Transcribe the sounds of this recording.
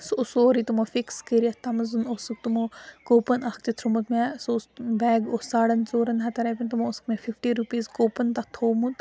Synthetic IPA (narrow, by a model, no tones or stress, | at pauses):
susoːɾit̪umofikskeɾiɐt̪ɐmɐzunosuk̚t̪umokoːpɐnakt͡ʃ̪it̪ʰɾumɐt̪mesosbɛːɡosaːɽɐnt͡soːɾɐnɦɐt̪ɐɾɐpʲint̪umoːskmefifʈiːɾupiːzkoːpɐnt̪ɐt̪ʰoːmut̪